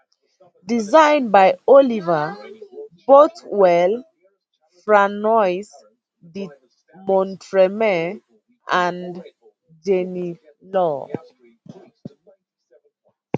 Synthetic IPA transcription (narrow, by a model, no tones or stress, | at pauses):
dizãɪ̃nbajɔliva | botwɛl | fɹanɔjs | di | mɔ̃ntʰɹɛmɛ | ʔãn | d͡ʒeni | lɔ